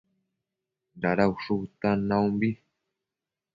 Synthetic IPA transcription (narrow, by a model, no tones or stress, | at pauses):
daɾauʂut̪anãumbi